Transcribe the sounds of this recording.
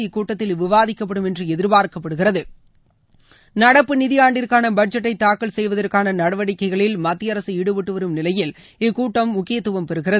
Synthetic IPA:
ɪkːuːʈːɐt̪ːɪlʋɪʋaːðɪkːɐpːɐɽɯmɛndrɯɛðɪɾbaːɾkɐpːɐɽɯɣɪrɐðɯ | nɐɽɐpːɯnɪðɪjaːɳɖɪrkaːnɐbɐʈ̚d͡ʒɐʈːɐɪt̪ːaːkːɐlsɛjʋɐðɐrkaːnɐnɐɽɐʋɐɽɪkːɐɪɣɐɭɪlmɐt̪ːɪjɐɾɐsɯɪɽɯʋɪʈːɯʋɐɾɯmnɪlɐjɪl | ɪkːuːʈːɐmːʊkːɪjɐt̪ːɯʋɐmpɛɾɯɣɪrɐð

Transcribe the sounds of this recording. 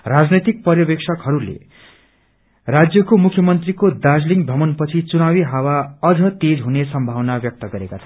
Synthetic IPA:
rad͡znʌjt̪ik̚pʌrjʌbeksʰʌkɦʌɾulḛ | rad͡zjʌkomukʰjʌmʌnt̪rikod̪ad͡zliŋbʱʌmʌnpʌt͡sʰit͡sunawiɦawaʌd͡zʌt̪ed͡zɦunesʌmbʱawnabjʌk̚t̪ʌɡʌɾekat͡sʰʌ

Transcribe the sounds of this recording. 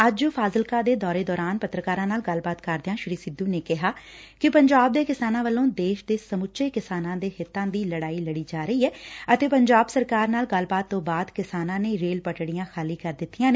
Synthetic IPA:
əd͡ʒopʰaːzəlkaːd̪eːd̪ɔːɾeːd̪ɔːɾaːnpət̪ːɾəkaːɾãːnaːlɡəlbaːt̪kəɾd̪eãːʃɪɾiːsɪd̪uːneːkɪɦaːkɪpəɲd͡ʒaːb̚d̪eːkɪsaːnãːʋəlːõːd̪eːʃd̪eːsəmʊtːʃʰeːkɪsaːnãːd̪eːhɪt̪ːãːd̪iːləɽaːiːləɽiːd͡ʒaːɾəiːɛːət̪eːpəɲd͡ʒaːbsəɾkaːɾnaːlɡəlbaːt̪ːõːbaːd̪kɪsaːnãːneːɾeːlpəʈɽijãːxʰaːliːkəɾd̪ɪt̪ːijãːneː

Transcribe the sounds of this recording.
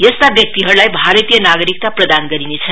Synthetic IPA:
jʌst̪abjʌk̚t̪iɦʌɾlajbʱaɾət̪ijənaɡʌɾik̚t̪aprʌd̪anɡʌɾinet͡sʰʌ

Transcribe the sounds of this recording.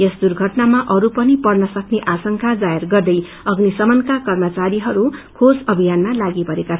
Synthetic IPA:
jesd̪urɡʱʌʈnamaʔʌɾupʌnipʌrnʌsʌkneʔasʌŋkʰad͡zajerɡʌrd̪ʌj | ʌɡnisʌmʌnkakʌrmʌt͡saɾiɦʌɾukʰosʌbʱijanmalaɡipʌɾekat͡sʰ

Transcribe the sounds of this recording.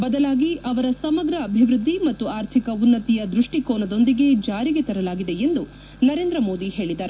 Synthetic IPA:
bɐd̪ɐlaːɡiʔɐʋɐɾɐsɐmɐɡɾɐːbʱiʋɾud̪ːimɐt̪ːuaːɾt̪ʰikɐunːɐt̪ijɐd̪ɾuʂʈikoːnɐd̪o̞nd̪iɡe̞d͡ʒaːɾiɡet̪ɐɾɐlaːɡid̪e̞end̪u | nɐɾe̞ːnd̪ɾɐmo̞ːd̪iɦe̞ːɭid̪ɐːɾ

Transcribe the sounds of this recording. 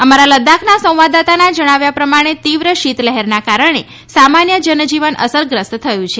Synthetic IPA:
əmaɾaləd̪akʰnasə̃w̃ʋad̪at̪anad͡ʒəɽ̃aʋjapɾəmaɽ̃et̪iʋɾəʃit̪ləɦɛɾnakaɾəɽ̃e | samanjəd͡ʒənd͡ʒiʋənʔə̰səɾɡɾəst̪t̪ʰəjũt͡ʃʰe

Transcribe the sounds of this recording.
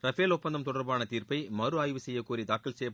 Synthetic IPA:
ɾɐfeːlɔpːɐnd̪ɐmt̪ɔɽɐɾbaːnɐt̪iːɾpɐɪmɐɾɯaːjʋɯsɛjːɐkuːɾit̪aːkːɪlsɛjɐ

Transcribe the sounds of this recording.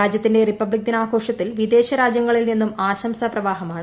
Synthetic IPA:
aːd͡ʑjɐt̪ːinde̞ripːɐbɭik̚d̪inaːɡʰʱo̞ːʂɐt̪ːilʋid̪e̞ːɕɐɾaːd͡ʑjɐŋːɐɭilninːumaːɕɐmsɐprɐʋaːɦɐmaːɳ

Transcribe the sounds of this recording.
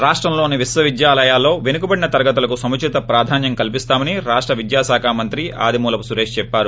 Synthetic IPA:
ɾaːʂʈɾɐmlo̞ːniʋisʋɐʋid̪jaːlɐjaːlːo̞ːʋenukubɐɽinɐt̪ɐɾɐɡɐt̪ulɐkusɐmut͡ʃʰit̪ɐpɾaːd̪ʱaːnjɐŋkɐlipist̪aːmɐniɾaːʂʈɾɐʋid̪jaːsaːkʰaːmɐnt̪ɾia̰ːd̪ʱimuːlɐpusuɾeːʂt͡ʃɛpːaːɾu

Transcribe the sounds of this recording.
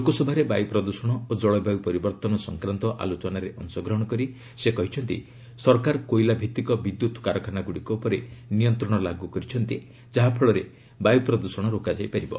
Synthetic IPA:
lokosɔbʱaɾebajupɾɔd̪usɔɽ̃ɔod͡ʒɔɭɔbaɡupɔɾibɔɾt̪ɔnɔsɔŋkɾant̪ɔʔa̰lot͡ʃɔnaɾeʔɔŋsɔɡɾɔɦɔɽ̃ɔkɔɾi | sekɔɦit͡ʃʰɔnt̪ḭ | sɔɾkaɾkojlabʱit̪ikɔbid̪jut̪kaɾɔkʰanaɡuɽikɔupɔɾenijɔnt̪ɾɔɽ̃ɔlaɡukɔɾit͡ʃʰɔnt̪i | d͡ʒaɦapʰɔɭɔɾe | bajupɾɔd̪usɔɽ̃ɔɾokad͡ʒajpaɾibɔ

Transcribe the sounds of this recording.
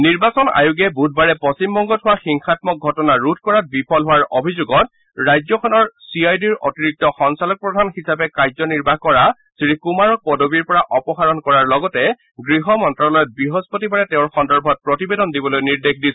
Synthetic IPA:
niɹbasɔna̰juɡɛbud̚baɹɛpɔsimbɔŋɡɔtʰʊwaxiŋxatmɔk̚ɡʱɔtɔnaɹut̚ʰkɔɹat̚bipʰɔlɦʊwaɹobʱizuɡɔt̚ | ɹajzɔkʰɔnɔɹsiajdiɹotiɹik̚tɔxɔnsalɔk̚pɹɔdʱanxisapɛkajzɔniɹbaɦkɔɹa | sɹikumaɹɔk̚pɔdobiɹpɔɹaʔɔpɔxaɹɔnkɔɹaɹlɔɡɔtɛ | ɡɹiɦɔmɔntɹalɔjɔt̚bɹiɦospotibaɹɛtɛʊ̃ɹxɔndɔɹbʱɔt̚pɹɔtibedɔndibɔlojniɹdexdisɛ

